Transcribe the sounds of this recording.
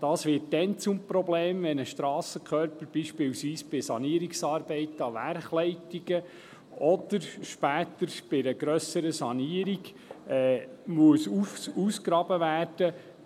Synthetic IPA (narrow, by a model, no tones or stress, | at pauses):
d̥ɑːsʋɪːt̚dɛnt͡sʊmpɾɔbleːmʋɛnəʃt̪ɾɑːsəkʰχœɾpəɾb̥iʃpɪlsʋiːsb̥ɪsɑ̰niəɾiksɑːɾbɛɪtɑʋæɾχlɛɪtiɡ̥ə | ɔd̥əɾʃpæːt̪əɾb̥ɪɾəɡɾœsəɾəsɑniəɾiɡ | ɛːmuəsufuːskɾɑːbəvæːrd̥ə